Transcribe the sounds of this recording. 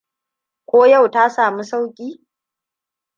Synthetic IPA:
kʷoː˦ja˦˨wta˦saː˨mu˦sa˦wkʲʼiː˦

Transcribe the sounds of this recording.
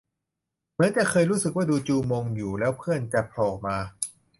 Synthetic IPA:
mɯ˧˦˥ənt͡ɕɛ˨˩kʰɤː˧jɾuː˦˥sɯ˨k̚waː˥˩duː˧t͡ɕuː˧moː˧ŋjuː˨˩lɛː˦˥wpʰɯ˥˩ənt͡ɕa˨˩pʰlɔː˨˩k̚maː˧

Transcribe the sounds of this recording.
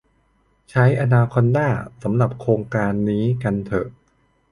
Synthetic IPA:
t͡ɕʰa˦˥jʔa˧naː˧kʰɔ˧ndaː˥˩sa˩˦mɾa˨˩p̚kʰɾoː˧ŋkaː˧nːiː˦˥ka˧nt̪ʰɤ˨˩ʔ

